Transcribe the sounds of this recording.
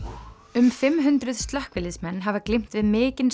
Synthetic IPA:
ʏmfɪmɦʏnt̪ɾʏð̥st̪lahkvɪlːɪsmɛnːɦavaklɪm̥t̪vɪðmɪːcɪn

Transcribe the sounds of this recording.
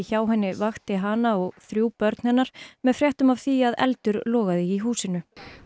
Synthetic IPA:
çaːwɦɛnːɪvaxt̪ɪɦaːnaɔɣθɾjuːpœɾt̪nhɛnːaɾ̥mɛðfɾjɛht̪ʏmavθiaðɛ̰lt̪ʏɾlɔːɣaðɪiɦuːsɪnʏ

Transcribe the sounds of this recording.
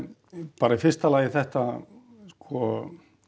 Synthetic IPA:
paːɾaifɪrst̪alaːjɪθɛht̪a | skɔ

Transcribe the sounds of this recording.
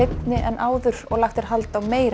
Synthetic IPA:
ejt̪nɪʔɛnʔaːwðʏɾ̥ɔɣlaxt̪ɛɾ̥ɦalt̪awmeːjɾ

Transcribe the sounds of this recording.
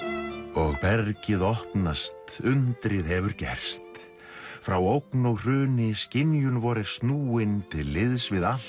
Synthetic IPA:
ɔɣpɛɾcɪðɔhpnast̪ʏnt̪ɾɪðhɛvʏɾcɛ̰r̥st̪ | fɾawowknowr̥ʏːnɪscɪnjʏnvɔɾɪst̪nuːɪnt̪ʰɪlːɪðsvɪðal

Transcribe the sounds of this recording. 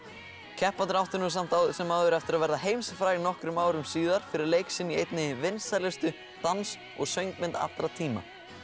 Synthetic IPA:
cʰɛhpant̪ɾawht̪ʏɾnus̬am̥t̪awðʏsɛmawðʏɾɛft̪ɪɾaðvɛɾðaɦeːjmsɪfɾaːjɣnɔhkɾʏmaːwɾʏmsiːðaɾ̥fɪɾɪɾlejksɪnːiejt̪nɪvɪnst̪aɾlɛst̪ʏ | t̪ans | ɔ̰ɣsœɥjŋkmɪnt̪a̰t̪ɾat̪ʰiːma̰

